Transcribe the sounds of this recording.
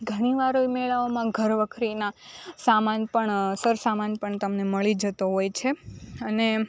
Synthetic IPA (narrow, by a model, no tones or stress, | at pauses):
ɡʱəɽ̃iʋaɾoimɛɭaomãɡʱəɾʋəkʰɾinasamanpəɳsəɾsamanpəɳt̪əmneməɭid͡ʒət̪oɦojt͡ʃʰeəne